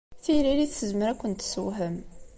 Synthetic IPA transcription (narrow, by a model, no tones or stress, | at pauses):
θiɾiliθsəzməɾækʷːənt̪səwɦəm